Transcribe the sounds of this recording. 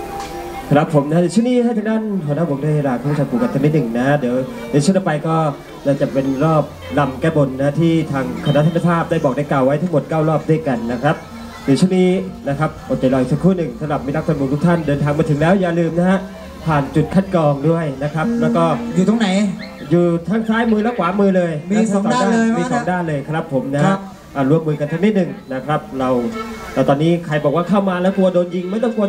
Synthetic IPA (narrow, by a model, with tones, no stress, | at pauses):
kʰɾa˦˥pʰːo˩˦mna˦˥ɯ˨˦t͡ɕʰu˥˩niː˥˩ha˥˩jt̪ʰa˦˥nt̪ʰa˥˨nɦu˨˩˦naː˥˩pʰːdu˥˩he˧˥ɾaː˧kʰu˥˧˩mʰː˥u˥˩a˧p̪ʰuː˨˩ka˨˩t̪ʰːa˦˥niː˦˥˩nɯ˨˩ŋna˦˥dɯː˩˦w | n˧˦t͡ɕʰt̪a˩pa˧jkɔː˥˩ | naː˥˩t͡ɕa˨˩pe˧nɾɔː˥˩p̚ | la˧mkɛː˥˩bo˧nːa˦˥t̪ʰiː˥˩t̪ʰaː˧ŋkʰa˧na˦˥t̪ʰa˧˥nʰ˧˩pʰaː˥˩p̚daː˥˩jbɔː˨˩k̚da˧˥˩jklaː˨˩wːa˦˥jt̪ʰa˦˥ŋmo˨˩t̪̚kaː˥˩wɾɔː˥˩p̚du˥˩əjka˧nːa˦˥kʰɾa˦˥p̚ | sʰɯ˨˩˦t͡ɕʰu˥˩niː˦˥˩na˦˥kʰa˦˥p̚ːɔ˨˩t͡ɕa˨˩jlɔː˧˩i˨˩ksa˨˩kʰːuː˥˩nɯ˨˩ŋsa˧˦mɾa˨˩p̚mi˦˥la˦˥kʰːnmu˧ŋt̪u˥kt̪ʰa˥˩ndɤː˧nt̪ʰaː˧ŋmaː˧t̪ʰɯ˩˦ŋlɛː˦˥wjaː˨˩lɯː˧mna˦˥ɦa˦˥ | pʰaː˨˩nt͡ɕu˨˩t̪̚kʰa˥˩tkɔː˧ŋdu˥˩əjna˦˥kʰɾa˦˥p̚lɛː˦˥wkɔː˥˩juː˨˩t̪ʰːŋna˩˦j | juː˨˩t̪ʰa˦˥˩ŋsaː˦˥jmɯː˧lɛː˦˥wkʰwaː˨˦˥mɯː˧lɤː˧jm˦˥˧sa˥ɔ˩˨˦sa˨daː˥˦daː˩˥˧miː˧˥sɔː˨˦ŋdaː˥˩nlɤː˧jkʰɾa˦˥pʰːo˩˦mna˦ha˦˧ | ʔaː˨˩t̪ɾu˧˩əmːɯː˧ka˧nsʰa˦˥ŋniː˥t̪̚nɯ˨˩ŋna˦˥kʰɾa˦˥p̚ɾa˧w | aː˧˩t̪ɔː˧nːiː˦˥kʰɾa˧jbɔ˨˩k̚waː˥˩kʰa˥˩wmaː˧lɛː˦˥wku˧ɐ˧doː˧nji˧ŋma˥˩jt̪ɔ˥˩ŋku˧ɐ